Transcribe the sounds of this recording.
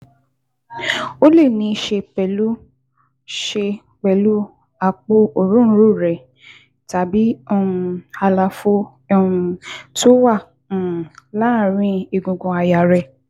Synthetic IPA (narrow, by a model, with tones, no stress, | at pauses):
o˦le˦˨nĩ˨˧˦ʃe˧k͡pɛ˨lu˦ | ʃe˧ | k͡pɛ˨lu˦ | a˧k͡po˧o˨ɾũ˦ɾu˦˨ɾɛ˨ | ta˨bi˨˦o˧ũ˧a˧la˧fõ˧ | to˦wã˦˨ | la˦˨ɾ̃ĩ˧˦i˨ɡũ˨ɡɔ̃˧a˧ja˨ɾɛ˧